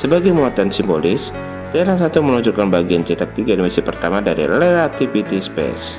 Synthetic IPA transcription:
səbaɡajmuat̪ansimbolɪs | d̪əelasat̪uməluɲd͡ʒukanbaɡiand͡ʒɛt̪ak̚t̪iɡadimisipərt̪amadaɾḭleat̪ipit̪ispḛs

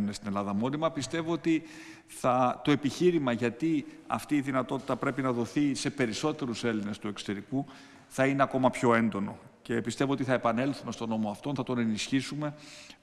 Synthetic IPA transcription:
nest̪inelɐðɐmo̞nimɐpist̪e̞voot̪i | θɐt̪o̞e̞piçiɾimɐʝɐt̪i | ɐ̰ft̪iːðinɐt̪o̞t̪i̥t̪ɐpɾe̞pinɐðo̞θise̞pe̞ɾiso̞t̪e̞ɾuse̞line̞st̪ue̞kso̞̥t̪e̞ɾiku | θɐine̞ɐko̞mɐpço̞e̞nd̪o̞no̞̰ | ce̞pist̪e̞voo̞t̪iθɐepɐne̞lθume̞st̪o̞no̞moɐft̪o̞nθɐt̪o̞ne̞nisçisume̞

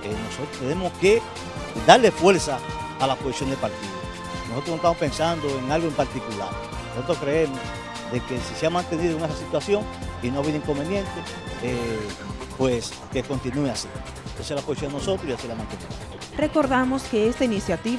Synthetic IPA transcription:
eno̞so̞t̪ɾost̪ene̞moske | d̪aɾle̞fwe̞ɾsaːlaposisjo̞nd̪epaɾt̪iðo | nosot̪ɾonoest̪amopẽ̞nsand̪oeŋalɣoempaɾt̪ikula̰ɾ | noso̞t̪ɾoskɾeemos | ðe̞kesiseamãnt̪e̞niðooŋesasit̪wasjo̞ŋinoaβiðeiŋko̞mbenjẽ̞nt̪e | e | pwes | keko̞nt̪inueasi | ent̪osealaposisjo̞nd̪enoso̞t̪ɾoiasilamãnt̪eniðoðo | reko̞ɾðamoske̞est̪ainisjat̪i

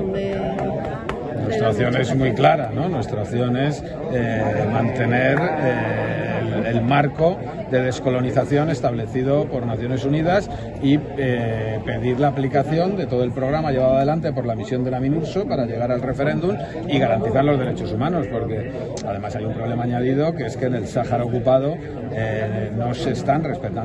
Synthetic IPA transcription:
nwe̞st̪ɾaoθjo̞ne̞zmwijklaɾano̞nwe̞st̪ɾaoθjone̞s | emãnt̪e̞ne̞ɾe | elmaɾko̞ | d̪e̞ð̞e̞sko̞lo̞niθaθjo̞ne̞st̪aβle̞θiðo̞po̞ɾnaθjo̞ne̞sunið̞as | iepe̞ðiɾlaːplikaθjo̞nd̪e̞t̪o̞ðo̞e̞lpɾo̞ɣ̞ɾamaʎe̞βaðaðe̞lant̪e̞po̞ɾlamisjo̞nd̪elamĩnuɾsopaɾaʎe̞ɣ̞aɾalre̞fe̞ɾe̞nd̪um | iɣaɾant̪iθaɾlo̞zð̞e̞ɾe̞t͡ʃo̞sumãno̞spo̞ɾke̞ | aðe̞masajumpɾo̞βle̞maːɲaðið̞o̞kee̞ske̞ne̞lsaxaɾaokupað̞o̞ | eno̞se̞st̪anre̞spe̞t̪a

